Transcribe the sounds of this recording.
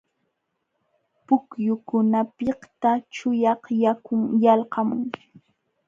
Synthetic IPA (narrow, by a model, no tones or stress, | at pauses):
pʊkjʊkʊnapɪht̪at͡ʃʊjɑχjakʊŋjɑlqɑmʊ̰ŋ